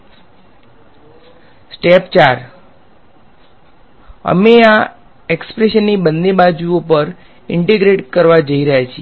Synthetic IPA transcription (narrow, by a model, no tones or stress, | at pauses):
sʈept͡ʃaɾ | ə̰mea | ekspɾeʃənːibənːebad͡ʒuopəɾ | ɪɳʈeɡɾeʈkəɾʋad͡ʒəiɾəɦjat͡ʃʰie